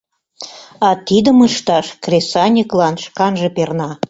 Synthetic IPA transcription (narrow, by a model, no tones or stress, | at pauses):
ɑt̪id̪ə̆məʃt̪ɑʃkrʲesɑnʲiklɑnʃkɑnʒĕpernɑ